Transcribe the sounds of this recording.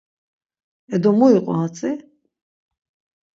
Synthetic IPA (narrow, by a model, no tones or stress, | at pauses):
ɛd̪ɔmɔiqʼɔ̰ɦat͡sʼi